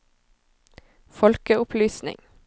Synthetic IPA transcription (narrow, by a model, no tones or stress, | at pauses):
fɔlkəʊpʰlyːsnɪ̰ŋ